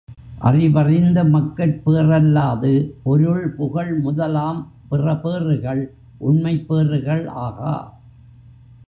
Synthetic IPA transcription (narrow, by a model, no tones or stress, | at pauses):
ʔɐ̰rɪʋɐrɪnd̪ɐmɐkːɐʈ̚peːrɐlːaːðɯpɔɾɯɭpʊɣɐɭmʊðɐlaːm | pɪrɐpeːrɯɣɐɭ | ʔʊnmɐɪpːeːrɯɣɐɭa̰ːɣa̰ː